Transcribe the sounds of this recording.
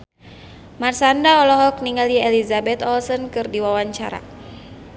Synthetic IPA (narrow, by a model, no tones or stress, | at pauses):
marsandaɔlɔɦɔkniŋaliɛlizabɛt̪ɔlsənkɨrdiwawaɲt͡ʃa̰ɾa̰